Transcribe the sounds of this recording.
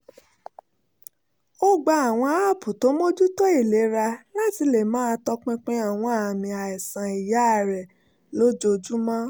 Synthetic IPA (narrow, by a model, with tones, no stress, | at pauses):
o˦ɡ͡ba˧a˨w̃ɔ̃˧a˦a˦˨pu˨to˨˦mo˦d͡ʒu˦tɔ˦i˦˨le˨˦ɾa˧nã˦˨ti˧le˨mãː˦˧tɔ˧k͡pɛ̃˧k͡pẽ˦a˦˨w̃ɔ̃˧a˨mĩ˧a˨ɛ˨sã˨i˨ja˨˦˧ɾɛ˨ | lo˨˦d͡ʒo˧d͡ʒu˦mã˦